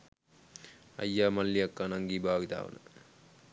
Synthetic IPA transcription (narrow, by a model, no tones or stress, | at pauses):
ɐ̰jːaːmɐlːiɐkːanɐŋɡiːbʱaːɡit̪a̰ːʋɐ̰nɐ̰